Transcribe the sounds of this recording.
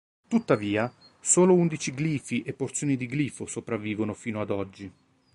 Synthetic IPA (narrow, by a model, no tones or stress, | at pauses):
t̪ut̪ːaviːa | soːlound̪it͡ʃiɡliːfiʔepːort̪sjoːnid̪iɡliːfosopɾavːiːvonofiːnoad̪ɔd͡ʒːi